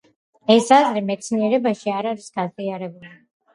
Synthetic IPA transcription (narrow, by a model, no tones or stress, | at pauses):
ɛsazɾimɛt̪sʰmiɛɾɛbaʃiaɾaɾisɡ̥aziaɾɛbuli